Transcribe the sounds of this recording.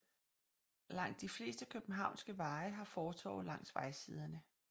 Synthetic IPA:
lɑ̈ŋ̰d̥ːifle̝̰ːsd̥əkʰøb̥n̩ɦɑ̈ʊnsɡ̥əʋɑ̈ːɪɦɑ̈fɒːt͡sʰɒ̰ːlɑ̈ŋ̰sʋɑ̈ɪsiːð̞ˠɐnə

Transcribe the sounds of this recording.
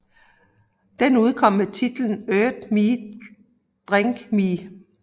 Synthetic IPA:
d̥enuð̞ˠkʰɒ̽m̰ːet͡sʰid̥ln̩øːd̥mi | d̥ʁeŋɡ̥mi

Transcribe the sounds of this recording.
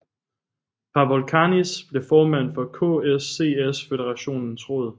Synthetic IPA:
pʰɑ̈ʋɒlkʰɑnisb̥le̝fɒːmæn̰fɒ̽kʰɔ̰esːe̝̰esfe̝d̥eʁɑ̈ɕo̝̰ːnn̩sʁɔ̽ːðˠ

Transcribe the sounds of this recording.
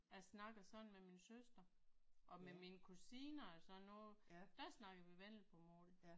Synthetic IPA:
æsnɑ̈ɡ̥ɐsɒ̽dn̩meminsøsd̥ɐ | ʔɒ̽meminəkʰusiːnɐælsɒ̽nːod̥æsnɑ̈ɡ̥ɐʋiʋen̰l̩ˠpʰɒ̽moːdðˠ

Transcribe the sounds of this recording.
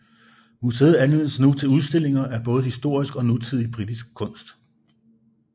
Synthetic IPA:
museːð̩ˠænʋen̰əsnut͡sʰe̝luð̞ˠsd̥e̝l̰e̝ŋɐʔæɐb̥ɔ̽ːð̞ˠhisd̥o̝ɐ̰isɡ̥ɒ̽nut͡sʰið̞ˠib̥ʁid̥isɡ̥̚kʰːɔ̽n̰sd̥

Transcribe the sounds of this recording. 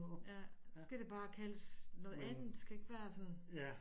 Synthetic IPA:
jæssɡ̥æɾ̥e̝b̥ɑ̈ːkʰæləsnɔ̽ːð̩ˠænð̩ˠd̥sɡ̥æe̝ɡ̥ʋæɐt͡sʰɛðn

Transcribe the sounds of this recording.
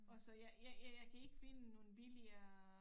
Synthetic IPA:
ɒ̽sɒ̽jajajajɑ̈ɪkʰæe̝ɡ̥finəno̝ːn̩b̥iliɐ

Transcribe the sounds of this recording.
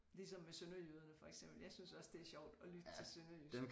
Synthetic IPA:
lisɒ̽mːesønɐjyð̞ˠɐnəfɒ̽eɡ̥sem̰b̥l̩jɑ̈ɪsynsɒ̽sd̥e̝æɐɕɒʊ̰d̥ɒ̽lyd̥ət͡sʰe̝lsønɐjy̥em

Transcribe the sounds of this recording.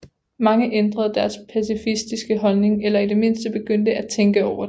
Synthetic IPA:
mɑ̈ŋəʔend̥ʁɐð̞ˠd̥æɐspʰæsifisd̥isɡ̥əɦɒ̽lne̝ŋelɐid̥e̝me̝n̰sd̥əb̥e̝ɡ̥øn̰d̥əæt͡sʰeŋɡ̥əɒʊɐ̥

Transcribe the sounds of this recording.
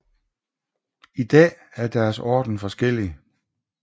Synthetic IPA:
id̥ɛ̰ːæɐd̥æɐsɒ̰ːd̥n̩fɒ̽sɡ̥el̰i

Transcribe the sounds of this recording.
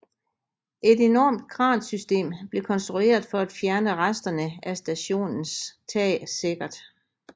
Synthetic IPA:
ʔe̝de̝nɒ̰ːmd̥̚ɡ̥ʁɑ̈ːnsysd̥e̝̰ːmb̥le̝kʰɒ̽nsd̥ʁue̝̰ːɐðˠfɒ̽æd̥fjæɐnəʁasd̥ɐnəʔæsd̥æɕo̝̰ːnn̩st͡sʰɛ̰ːse̝ɡ̥ɐd̥

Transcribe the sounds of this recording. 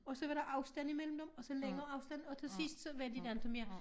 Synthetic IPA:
ɒ̽sɒ̽ʋɑ̈ɾɑ̈ʔɑ̈ʊsd̥æn̰imel̰m̩d̥emɒ̽sɒ̽leŋɐːɑ̈ʊsd̥æn̩ɒ̽t͡sʰe̝lsisd̥sɒʋæd̥id̥ænt͡sʰɒmeɐ

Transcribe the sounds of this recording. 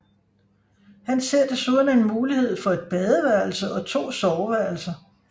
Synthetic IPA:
hænse̝ɐ̰d̥e̝soðˠnenmuːlihe̝ð̞̰ˠfɒ̽e̝d̥̚b̥ɛð̞ˠəʋæɐl̩səʔɒ̽t͡sʰo̝̰ːsɒʊʋæɐ̰l̩sɐ

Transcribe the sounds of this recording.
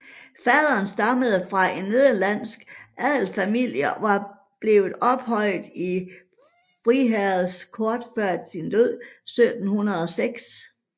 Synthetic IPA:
fæð̞ˠɐːnsd̥ɑ̈məð̞̩ˠəfʁɑ̈ʔe̝nːe̝ðˠɐlæn̰sɡ̥ʔæð̰ˠl̩fæmil̰jɐʋɑ̈ | b̥le̝ːʊð̞̩ˠɒ̽b̥hɒ̽lɪ̰ð̩ˠi | fʁiɦæð̩ˠskʰɒːd̥fɶɐ̰d̥sind̥øð̰ˠsød̥n̩hunɐðˠɒ̽seɡ̥s

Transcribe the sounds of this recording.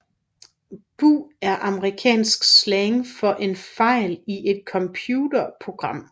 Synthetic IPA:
b̥ṵːæɐʔɑ̈məʁikʰɛ̰ːnsɡ̥sleŋfɒ̽ʔe̝nfɑ̈ɪ̰liʔe̝d̥̚kʰɒ̽mpʰjuːdɐpʰʁo̝ɡ̥ʁɑ̈m̰

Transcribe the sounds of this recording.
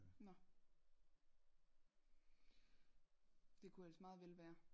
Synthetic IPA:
nɒ | d̥e̝kʰuelsmɑ̈ːð̩ˠʋel̰ʋæːɐ

